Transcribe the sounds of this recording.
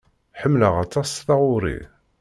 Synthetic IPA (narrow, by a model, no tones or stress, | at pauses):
ħəmːləʁɑt̪ˤɑsθɑʁʊɾḭ